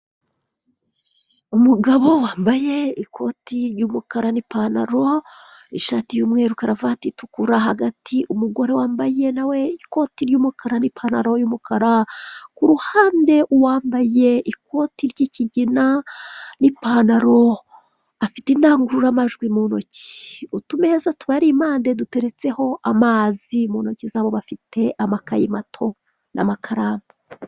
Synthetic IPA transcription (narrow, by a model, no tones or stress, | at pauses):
umuɡaβo̞waːmbaje̞ikʰo̞tiɾjuːmukaɾanipaːnaɾo̞iʃaːtijumŋe̞ːɾukaɾavatitukuɾaɦaɡatʰiʔumuɡo̞ɾe̞waːmbaje̞nawe̞iko̞ːtiɾjuːmukʰaɾanipʰanaɾojumukʰaɾakuɾuhaːnde̞ʔuwaːmbaje̞ʔik̚o̞tiɾɟiciɟinanipaːnaɾo̞ | afitindaːŋɡuɾuɾamaʒɡwimunoci̥utumehezatuβaɾimaːnde̞dute̞ɾe̞t͡se̞ho̞ʔamaːzimunocizaːβo̞βafite̞ʔamakajimatʰo̞ | nʔa̰makʰaɾaːmba